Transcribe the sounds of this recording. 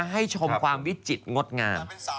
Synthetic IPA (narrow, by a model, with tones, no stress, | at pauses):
ɦa˥˩jt͡ɕʰo˧kʰwaː˧mwi˦˥t͡ɕi˨˩t̪̚ŋo˦˥t̪̚ŋaː˧m